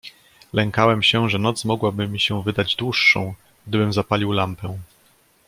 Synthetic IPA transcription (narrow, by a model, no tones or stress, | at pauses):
lɛŋkawɛmɕɛʐɛnɔt̪smɔɡwabɘmʲiɕɛwvɘd̪ad͡ʑd̪wuʂːɔ̰̃w̃ | ɡ̚d̪ɘbɘmzapalʲiwlampɛ